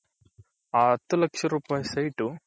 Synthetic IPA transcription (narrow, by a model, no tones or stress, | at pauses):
aːɐt̪ːulɐkʂɐɾuːpaːjsɐjʈːu